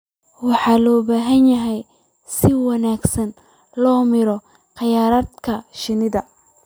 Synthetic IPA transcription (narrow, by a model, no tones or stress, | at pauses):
wɑħɑːlɔːbaːɦɐnjɐɦɛj | sɪwɑnaːɡsɐn | lɔːmɪɾɔ | qɑjaːɾɐːd̪kʰɐʃɪnɪðɐ